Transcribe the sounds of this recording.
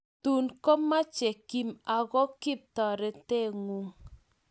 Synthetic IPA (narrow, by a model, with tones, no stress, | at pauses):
tu˨nko˦ma˦t͡ʃe˨ki˦˨ma˨ɣɔ˦kɪ˦p̚tɔ˨ɾɛ˨te˦˨ŋu˨ŋ